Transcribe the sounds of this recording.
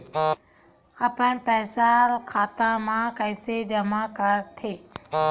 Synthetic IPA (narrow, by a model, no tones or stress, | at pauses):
aːpənpɛːsaɾkʰaːt̪ãmãkəɪsed͡ʒəmakəɾt̪ʰeː